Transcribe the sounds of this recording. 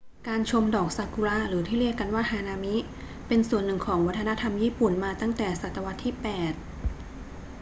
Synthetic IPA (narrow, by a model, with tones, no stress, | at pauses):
kaː˧nt͡ɕʰo˧mdɔː˨˩k̚sa˧ku˧la˦˥ɾɯː˩˦t̪ʰiː˥˩li˥˩əka˧nwaː˥˩haː˧naː˧mi˦˥ | pe˧nsu˨˩ənːɯ˨˩ŋkʰɔː˩˦ŋwa˦˥t̪ʰːna˦˥t̪ʰa˧mjiː˥˩pu˨˩nmaː˧t̪a˥˩ŋt̪ɛː˨˩sa˨˩t̪ːa˧wa˦˥t̪ʰːiː˥˩pɛː˨˩t̪̚